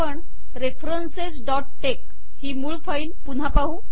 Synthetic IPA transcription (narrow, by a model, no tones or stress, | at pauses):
əɳ | ɾefɾənsesɖɔʈːek̚ | hiːmuːɭfəinpun̤ɦapaɦũ